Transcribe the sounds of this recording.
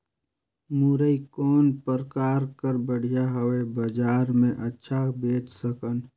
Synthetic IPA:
muɾəikɔːnpəɾkaːɾkəɾbəɽ̤ijaɦəwebəd͡ʒaːɾmẽʔətːʃʰabeːtsəkən

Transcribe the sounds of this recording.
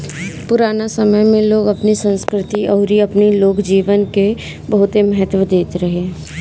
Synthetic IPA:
pʊɾaːnasɐməjmẽloːɡɐpnisə̃nskɾɪt̪iʔɔːɾiɐpniloːkd͡ʒiːʋənke | bɐɦʊt̪emɐɦət̪ʋəd̪eːt̪eɾɐɦeɦɛ̃

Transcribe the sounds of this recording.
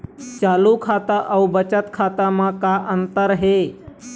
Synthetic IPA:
t͡ʃaːlukʰaːt̪aʔəubət͡ʃət̪kʰaːt̪amãkaʔənt̪əɾɦe

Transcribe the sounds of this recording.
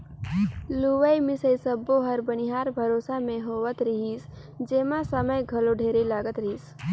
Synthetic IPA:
luʋəjmɪsəjsəbːoɦɐɾbənɪɦaːɾbʱɐɾoːsamẽɦoːʋət̪ɾɪɦis | d͡ʒeːmãsəməjɡʱɐloɖʱeːɾelaːɡət̪ɾɪɦiːs

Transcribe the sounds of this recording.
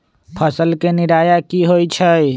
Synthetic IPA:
pʰəsəlkeniɾajakiɦojt͡ʃʰəj

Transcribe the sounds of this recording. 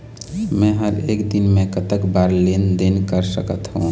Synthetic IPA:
mɛ̃ɦəɾeːkd̪inmẽkət̪əkbaɾlend̪enkəɾsəkət̪ɦũ

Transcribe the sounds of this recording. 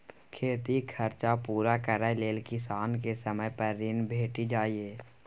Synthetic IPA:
kʰeːt̪ikʰəɾt͡ʃapuːɾakəɾaleːlkɪsaːnkesəməjpəɾːɪnbʱeːʈid͡ʒaːieː

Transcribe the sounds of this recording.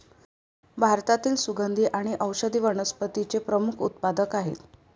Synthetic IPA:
bʱaɾt̪at̪iːlsuɡənd̪ʱiːʔaɽ̃iʔəwɕəd̪ʱiːʋəɽ̃əspət̪it͡sepɾəmukʰṵt̪̚pad̪əkaɦḛt̪

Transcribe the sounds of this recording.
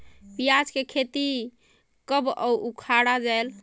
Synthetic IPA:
pijad͡ʒkekʰet̪i | kəbɔwʔukʰaɽad͡ʒajl

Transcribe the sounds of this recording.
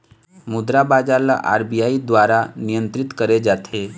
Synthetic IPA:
mud̪ɾabad͡zala̰ʔa̰ɾbijaid̪ʋaɾanijənt̪ɾit̪kəɾed͡ʒat̪ʰe

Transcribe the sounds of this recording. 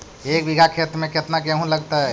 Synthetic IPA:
ek̚biɡʱakʰet̪ɾmeket̪nakəɦũləɡt̪ə

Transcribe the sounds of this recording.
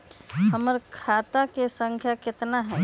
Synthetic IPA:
ɦəməɾkʰaːt̪akesə̃ŋkʰjakɪt̪naɦɛː

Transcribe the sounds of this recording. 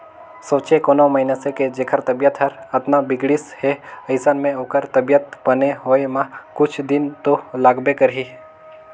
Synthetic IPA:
soːt͡ʃekoːnoməɦinəseked͡ʒeːkʰəɾt̪ɐbijət̪ɦəɾɐt̪nabɪɡɽɪsheɐɪsənmẽoːkəɾt̪ɐbijət̪̚bəneɦoːemãkʊt͡ʃʰd̪ɪnt̪olaːɡbekəɾɦiː

